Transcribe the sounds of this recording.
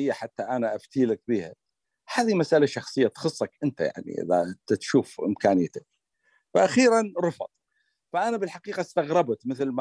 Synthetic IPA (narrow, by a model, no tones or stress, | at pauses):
jːaħat̪ːaʔanaʔaft̪iːlak̚biːha | haːðimasʔalaʃɑxsˤɨjːat̪xɨsˤːɑkʔɪnt̪aja̰ʕnḭʔɪ̰ða̰t̪t̪ʃuːfʔɪ̰mkaːnɪjːat̪ak̚ | faʔaxiːɾanɾˤʊfɑ̰t̪ˤ | faʔanabɪlħaqiːqɑst̪aɣɾˤɑbt̪mɪθlm